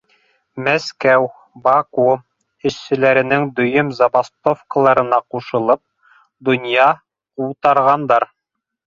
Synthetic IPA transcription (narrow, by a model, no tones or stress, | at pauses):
mæskæw | bɑku | ɘ̆ʃːɘ̆læɾɘ̆nɘŋd̪ɵ̆jɵmzɑbast̪ofkəlˠɑɾɤ̆nɑquʃɤ̆lˠɤp̚ | d̪ŏnjɑ | quwt̪ɑɾʁɑnd̪ɑɾ